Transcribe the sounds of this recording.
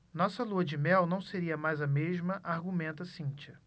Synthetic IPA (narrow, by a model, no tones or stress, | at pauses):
nɔsɐluɐd͡ʒɪmɛwnɐ̃w̃seɾiɐmajzɐmeʒmɐʔaɾɡumẽnt̪ɐsĩt͡ʃɐ